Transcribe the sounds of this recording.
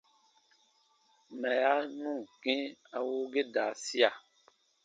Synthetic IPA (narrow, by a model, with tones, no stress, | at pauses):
mɛ̃˨a˦nũ˦˨kĩ˦a˨wo˦ɡe˦daː˨si˦a˨